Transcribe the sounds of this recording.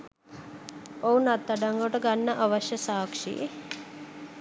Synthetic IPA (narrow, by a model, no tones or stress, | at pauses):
ounat̪ːaɖaŋɡoʈəɡanːəʔaʋəʃjəsaːkʂḭḛ